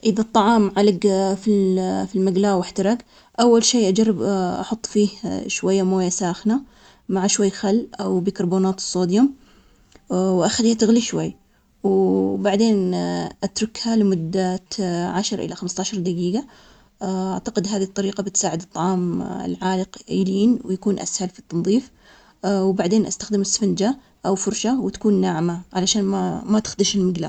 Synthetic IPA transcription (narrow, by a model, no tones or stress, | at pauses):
ʔɪðat̪ˤːɑʕɑːmʕalɪɡfilfilmaɡlaːwɪħt̪ɑɾˤɑɡ | ʔawːalʃeːʔad͡ʒarˤːɪbʔɑħʊt̪ˤːfiːhʃwajːamoːjasaːxna | maʕaʃwajːxalːʔawbikɑɾˤboːnaːt̪ɨ̥sˤːoːd̪jʊm | wʔaxaliːhat̪ɪɣliʃwajː | wbaʕd̪eːnʔat̪ɾʊkhalɪmʊd̪ːat̪ʕaʃɑɾˤʔɪ̰laxamst̪aːʃɑɾˤd̪aɡiːɡa | ʔaʕt̪aqɪd̪ɦaːðit̪ˤːɑɾiːqɑbɪt̪saːʕɪd̪ɨt̪ˤːɑʕɑːmɪ̰lʕaːlɪqiːliːnwɪjakuːnʔa̰shalfit̪ːɑnðˤiːf | wbaʕd̪eːnʔast̪axd̪ɪmɪsːfɪnd͡ʒa | ʔawfʊɾˤʃawt̪ḁkuːnːaːʕmaʕalaʃaːnmamat̪ɪ̥xd̪ɪʃɪlmɪɡla̰